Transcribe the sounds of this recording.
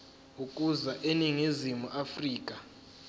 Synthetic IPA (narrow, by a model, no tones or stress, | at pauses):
ukʼuzaʔeniŋizimuʔafriːk̬ʼa